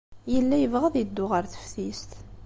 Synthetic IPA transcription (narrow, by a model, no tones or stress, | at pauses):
jəlːæjəvʁəðjəd̪ːʊʁəɾθə̥fθist̪